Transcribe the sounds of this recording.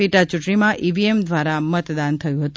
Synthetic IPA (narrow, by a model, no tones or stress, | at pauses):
iʈat͡ʃũʈɳimãʔiʋiemd̪ʋaɾamət̪d̪ant̪ʰəjũɦət̪u